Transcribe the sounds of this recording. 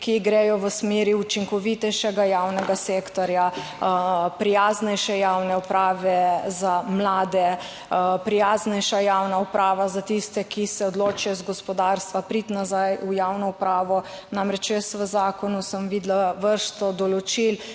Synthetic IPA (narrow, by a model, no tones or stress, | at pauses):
kiɡɾɛːjɔʋəsmeːɾiut͡ʃiŋkɔʋit̪ɛjʃɛɡajawnɛɡaseːkt̪ɔɾja | pɾijaːznɛjʃɛjawnɛupɾaːʋɛzamlaːd̪ɛ | pɾijaːznɛjʃajaːwnaupɾaːʋazat̪ist̪ɛkisɛɔd̪loːt͡ʃijɔzɡɔspɔd̪aɾst̪ʋapɾit̪nazajujawnɔupɾaːʋɔ | namɾɛt͡ʃjəst̪ʋəzaːkɔnusəmʋiːd̪laʋəɾʃt̪ɔd̪ɔlɔt͡ʃil